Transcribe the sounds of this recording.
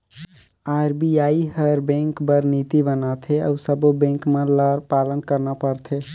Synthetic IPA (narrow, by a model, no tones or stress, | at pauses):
aɾbiaihəɾbẽŋkbəɾnit̪ibənat̪ʰeə̰ʊsəbobẽŋkmelaɾpalənkəɾnapəɾt̪ʰe